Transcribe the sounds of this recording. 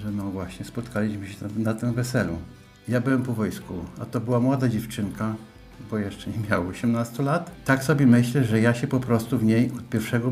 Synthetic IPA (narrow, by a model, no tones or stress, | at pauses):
ʐɛnɔvwaɕɲɛspɔt̪kʰalʲiɕmɘɕɛnat̪ɛ̃mvɛsɛlṵ | jabɘwɛmpɔvɔjskuat̪ɔbɘwamwɔd̪ad͡ʑɛft͡ʂɘŋka | bɔjɛʂt͡ʂɛɲɛmʲjawɔɕɛmnast̪ulat̪t̪ːaksɔbʲɛmɘɕlɛʐɛjaɕɛpɔpɾɔst̪uvɲejɔt̪̚pʲjɛɾfʂɛɡɔ